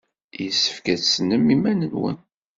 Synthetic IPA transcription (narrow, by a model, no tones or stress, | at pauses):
jəsːə̥fkæt͡ssnəmːimænənwə̰n